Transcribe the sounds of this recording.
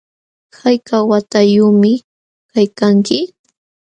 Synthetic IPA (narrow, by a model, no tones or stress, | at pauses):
hajkawat̪ajʊːmɪ | kajkaŋkɪ